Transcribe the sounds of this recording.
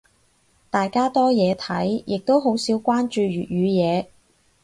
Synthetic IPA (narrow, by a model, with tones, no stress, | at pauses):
t̪aː˨jkaː˥t̪ɔː˥jɛː˨˧t̪ʰɐ˨˥jjɪ˨k̚t̪o˥wɦo˨˥wsiː˨˥wkʷaː˥nt͡ʃyː˧ɥyː˨t̚jyː˨˧jɛː˨˧